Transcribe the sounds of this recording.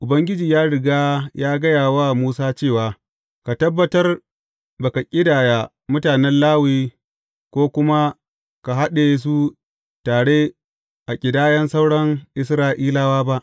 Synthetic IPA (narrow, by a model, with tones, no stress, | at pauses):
ʔʊ˨bɐ˦ŋɡʲɪ˦d͡ʒiː˨jaː˦ɽɪ˨ɡaː˦jaː˦ɡɐ˦jaː˨wa˦muː˦saː˦t͡ʃeː˦˨waː˨ | ka˨tɐ˦bːɐ˦tɐ˦r | baː˨ka˨kʲʼɪ˦daː˨jaː˨ | mʊ˦taː˨nɛ˦nlaː˦wiː˦ | kʷoː˦kʷʊ˦ma˦ | ka˨ɦa˦ɗe˨˦s̬u˦ | taː˨ɽeː˦ | ʔa˨kʲʼɪ˨daː˦jɐ˦nsa˦wɽɐ˦ŋʔɪ˦sɾaː˦ʔiː˦laː˦waː˦ba˦ʔ